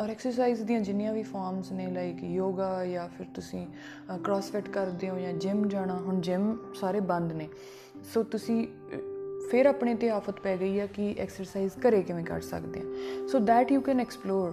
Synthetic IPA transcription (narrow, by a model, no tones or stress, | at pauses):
ɔːɾɛːksəɾs̬aːiːzd̪iːãːd͡ʒɪnɪjãːʋiːfʰaːɾmsnẽːlaːikjoːɡaːjaːpʰɪɾt̪ʊsĩː | kɾɔːsfɪʈkəɾd̪eːõːjãːd͡ʒɪmd͡ʒaːɽ̃aːɦʊɳd͡ʒɪmsaːɾeːbə̃nd̪neː | soːt̪ʊsĩː | pʰɪɾaːpɳẽːt̪eaːfət̪pɛːɡəiːɛːkɪʔɛ̰ːksəɾsaːiːzkəɾeːkɪʋẽːkə̰ɾsə̰kd̪ḛːɛ̃ːsoːd̪ɛːʈjuːkɛ̃ːnɛːksploːɾ